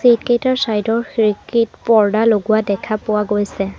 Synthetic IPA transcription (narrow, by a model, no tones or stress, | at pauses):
sit̚kejtaɹsajdɔɹxɹikitpɔɹdaloɡʊwadɛkʰapʊwaɡojsɛ